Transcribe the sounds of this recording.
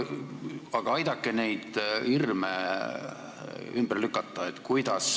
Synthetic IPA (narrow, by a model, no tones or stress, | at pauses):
ɑɡ̥ɑɑjd̪̥ɑkːˑene̞jd̪̥irme | ymb̥ərlykːˑɑt̪ːˑɑet̪ːˑkujd̪̥ɑs